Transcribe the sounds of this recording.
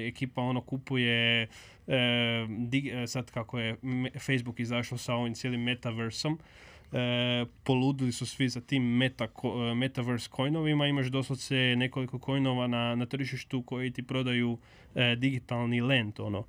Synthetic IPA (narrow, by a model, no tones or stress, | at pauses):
ekiːpao̞no̞kupuje̞ | d̪iɡsad̪kakojefejzbukizaʃlosao̞ʋimt̪jelimːet̪aʋeɾso̞m | po̞luːd̪ilisusʋizat̪imːet̪akome̞t̪aʋeɾskʰo̞jno̞ʋimaimaʃd̪o̞sosene̞ko̞liko̞kʰo̞jnoʋananat̪r̩ʒiʃt̪uko̞jit̪ipɾo̞d̪aju | d̪iɡit̪alˠnile̞nt̪o̞no